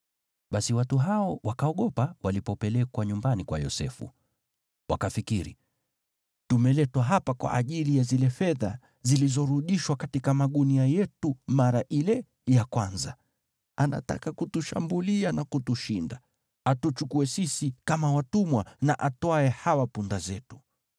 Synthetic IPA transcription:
ɓasiwatuɦaɔwakaɔɠɔpawalipɔpɛlɛkwaɲumbanikwa̰jɔ̰sɛ̰fṵ | wa̰kafikiɾḭ | tumɛlɛtwaɦapakwa̰ʔːʄilijazilɛfɛða | zilizɔɾuɗiʃwakatikamaɠuniajɛtumaɾaʔilɛ | jakwanza | ana̰ta̰kakutuʃa̰mbulianakutuʃinda | atut͡ʃukuɛsisikamawatumwanaʔataɛhawapundazɛtu̥

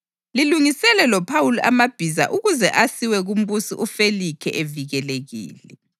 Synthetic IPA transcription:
liluŋisɛlɛlɔpʰawuluʔamab̥ʱiza̰ʔuɣuzɛʔasiwɛɣum̩busiʔufelikʰɛ̰ʔeviɣɛleɣḭːlɛ̰

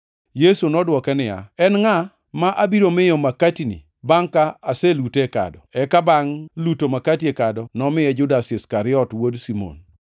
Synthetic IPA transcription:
jesunɔdwɔkɛnɪja̰ɛnŋa | maʔabiɾomɪjɔmakatinḭ | baŋkaaseluteka̰dɔ̰ɛkabaŋlutomakatiekadɔnɔmɪjɛd͡ʒʊdasɪskaɾɪɔtwodsimo̰n

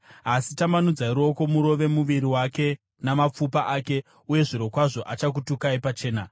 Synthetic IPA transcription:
asitamanud͡zaiɾo̞ko̞muɾo̞ʋe̞muʋiɾiwake̞ | namap͡fupaʔaːke̞ | uje̞ʐiɾo̞kwaʐo̞ʔat͡ʃak̬utukaipat͡ʃe̞ːna

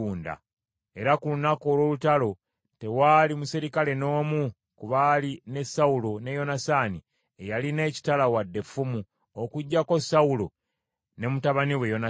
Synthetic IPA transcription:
uːnda̰ | e̞ɾakulunako̞ːlwo̞ːlutalo̞ | te̞waːlimusiɾikale̞no̞ːmu | kuβaline̞sawulo̞ne̞jo̞nasaːni | ejaline̞ːci̥talawadːe̞fːumu | okuɟːako̞saulo̞ | ne̞mutaβaniwejo̞na

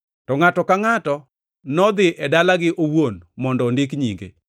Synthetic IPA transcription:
tɔŋatɔkaŋatɔ | nɔd̪ɪʔɛdalaɡɪʔowonmɔndɔndɪkɲḭŋɡḛ

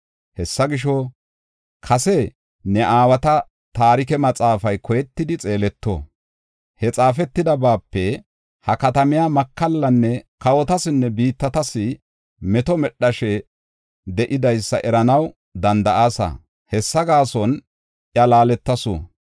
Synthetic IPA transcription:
hɛsːɐɡɪʃ̬ɔ | kʰɐsɛ | nɛʔaːwɐt̪ɐ | t̪aːɾɪkɛmɐt͡sʼaːfɐjkɔjɛt̪ːɪd̪ɪt͡sʼe̞ːlɛt̪ːo̰ː | hɛt͡sʼaːfɛt̪ːɪd̪ɐbaːpːɛ | hɐkɐt̪ɐmɪjamɐkːɐlːɐnːɛkɐwɔt̪ɐsɪnːɛbiːt̪ːɐt̪ɐsɪ | mɛt̪ɔmɛɗːɐʃɛ | d̪ɛʔɪd̪ɐjsːɐ̰ʔɛɾɐnɐw | d̪ɐnd̪ɐʔaːsɐ̰ | hɛsːɐɡaːsɔn | ʔjɐlaːlɛt̪ːɐso̰

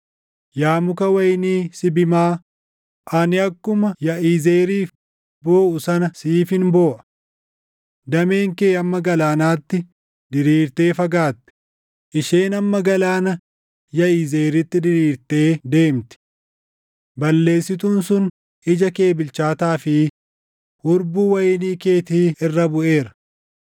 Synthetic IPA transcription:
jaːmʊkɐwɐjniːsɪbɪmaː | ʔɐnɪɐkːʊmɐjɐʔiːzeːɾiːf | boːʔʊsɐnɐsiːfɪnbo̞ːʔɐ̥ | d̪ɐmeːŋkeːɐmːɐɡɐlaːnaːt̪ːɪ | d̪ɪɾiːɾt̪e̞ːfɐɡaːt̪ːɪ̥ | ʔɪʃeːnɐmːɐɡɐlaːnɐ | jɐiːzeːɾɪt̪ːɪd̪ɪɾiːɾt̪e̞ːd̪e̞ːmt̪ɪ̥ | bɐlːe̞ːsɪt̪̬uːnsʊn | ʔɪd͡ʒɐke̞ːbɪlt͡ʃaːt̪aːfɪ | hʊɾbuːwɐjɪniːke̞ːt̪iːɪrːɐbʊʔe̞ːɾɐ̥

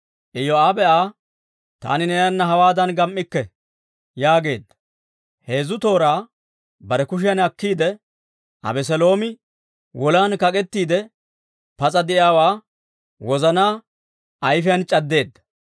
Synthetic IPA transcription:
ʔɪjːɔaːbɛʔaː | t̪a̰ːnɪnɛjɐnːɐɦɐwaːd̪ɐnɡɐmʔːɪkːɛ | jaːɡe̞ːd̪ːɐ̥ | he̞ːzʊt̪o̞ːɾaː | bɐɾɛkʊʃ̬ɪjɐnɐkːiːd̪ɛ | ʔɐ̰bɛs̬ɛlo̞ːmɪ | wʔɔlaːnkɐkʼɛt̪ːiːd̪ɛ | pɐt͡sʼɐd̪ɪʔɪaːwaː | wɔzɐnaː | ʔɐjfɪjɐnt͡ʃʼɐd̪ːe̞ːd̪ːɐ̥

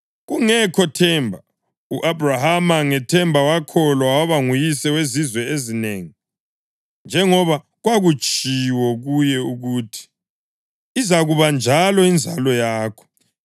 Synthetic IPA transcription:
ɣuŋɛkʰɔtʰɛmbʱa | uʔabrahamaŋɛtʰɛmbʱawakʰɔlwawaβaŋujisɛwezizwɛezineːŋi | nd͡ʒʱɛŋɔβa | ɣwaɣut͡ʃʼiwɔɣujɛuɣuːtʰi̥ | izaɣuβand͡ʒʱalɔind͡zʱalɔjaːkʰɔ̥

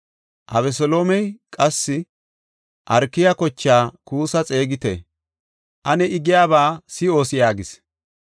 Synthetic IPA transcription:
ʔɐ̰βɛsɔlo̞ːmɛjkʼɐsːɪ | ʔɐɾkːɪjɐkɔt͡ʃːaːkuːsɐt͡sʼe̞ːɡɪt̪ɛ̰ | ʔɐnɛɪɡɪjaːbaːsɪo̞ːsɪjaːɡɪs

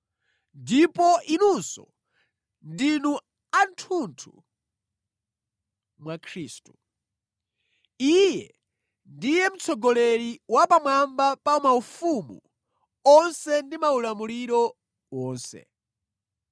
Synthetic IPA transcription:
ndipɔʔinunsɔ̰ | ndinu | antʰuntʰṵ | mwakʰɾiːstu | ijɛ | ndijɛm̩t͡sʰɔɡɔlɛɾiwapamwambapaumaufumṵ | ɔnsɛndimaulamuliɾɔ | wɔːnsɛ̰

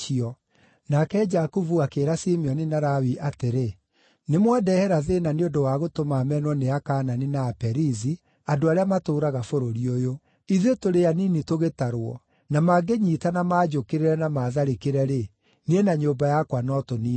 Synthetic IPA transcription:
iɔ | nakɛd͡ʒakuvuakeːɾasimeɔninaɾawiʔateɾe | nemwadɛhɛɾaðenaneondowaɣotomamɛnwɔneakaːnaninaːpɛɾizi | adoaɾeamatoːɾaɣafoɾoɾiojo | iðetoɾeaninitoɣetaɾwɔ̰ | namaɡeɲiːtanamaːd͡ʒokeɾeɾɛnamaːðaɾekeɾɛɾe | nienaɲoːbajakwanɔtoni

